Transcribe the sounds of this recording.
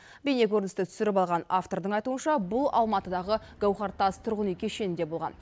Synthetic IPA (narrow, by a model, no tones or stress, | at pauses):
bene̞kʲʰɵɾnɪst̪ɪt̪ʰʏ̥sɪɾɪpɑlˠʁɑnaft̪o̞ɾd̪əɴɑjt̪uənʃɑbʊlˠɑ̰lˠmɑt̪əd̪ɑʁəɡ̥awχɑɾt̪ːɑst̪ʰʊɾʁənijkʲʰeʃe̞nɪnd̪e̞bo̞lˠʁɑ̰n